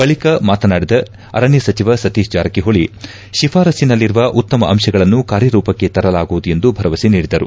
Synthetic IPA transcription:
bɐɭikɐmaːt̪ɐnaːɽid̪ɐ | ɐ̰ɾɐɳjɐsɐt͡ʃiʋɐsɐt̪iːsd͡ʒaːɾɐkiɦoɭi | ʃifʰaːɾɐsinɐlːiɾuʋɐʔut̪ːɐmɐʔɐmʃɐɡɐɭɐnːukaːɾjɐɾuːpɐkːe̞t̪ɐɾɐlaːɡuʋud̪uje̞nd̪ubʱɐɾɐʋɐsiniːɽid̪ɐɾṵ

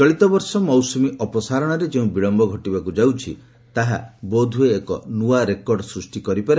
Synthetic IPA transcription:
t͡ʃɔɭit̪ɔbɔɾsɔmɔwsumiʔɔpɔsaɾɔɽ̃ɔɾed͡ʒeũbiɭɔmbɔɡʱɔʈibakud͡ʒawt͡ʃʰḭ | t̪aɦa̰bɔd̪ʱueːkɔ̰nuaɾekɔɾɖsɾusʈikɔɾipaɾe

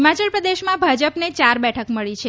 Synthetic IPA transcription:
mat͡ʃəlpɾəd̪eʃmãbʱad͡ʒəpnet͡ʃaɾbɛʈʰəkməɭit͡ʃʰe

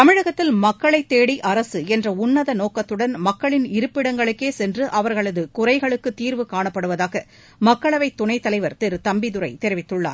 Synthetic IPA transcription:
t̪ɐmɪɻɐɣɐt̪ːɪlmɐkːɐɭɐɪt̪ːeːɽiʔɐɾɐsɯɛndrɐʊnːɐðɐnoːkɐt̪ːɯɽɐnmɐkːɐɭɪnɪɾɯpːɪɽɐŋɡɐɭɯkːeːsɛndrɯʔɐʋɐɾɣɐɭɐðɯkʊrɐɪɣɐɭɯkːɯt̪ːiːɾʋɯkaːɳɐpːɐɽɯʋɐðaːɣɐ | mɐkːɐɭɐʋɐɪt̪ːʊɳɐɪt̪ːɐlɐɪʋɐɾt̪ɛɾɯt̪ɐmbɪðɯɾɐɪt̪ɛɾɪʋɪt̪ːɯɭːa̰ːɾ

